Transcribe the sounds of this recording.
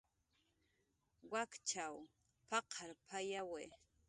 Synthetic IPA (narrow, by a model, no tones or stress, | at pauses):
wakt͡ʃaw | pɑqʰaɾpʰajawe